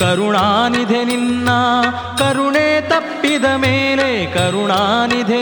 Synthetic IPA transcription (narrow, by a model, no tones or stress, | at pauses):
kɐɾuɳaːnid̪ʱeninːaː | kɐɾuɳeːt̪ɐpːid̪ɐmeːlekɐɾuɳaːnid̪ʱe